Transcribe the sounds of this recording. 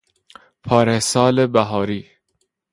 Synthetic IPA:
pʰɒːɾesɒːlebæɦɒːɾiː

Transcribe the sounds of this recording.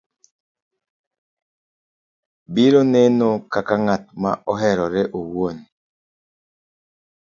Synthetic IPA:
biɾonenokakaŋat̚ma̰ʔɔɦɛɾɔɾeʔowon

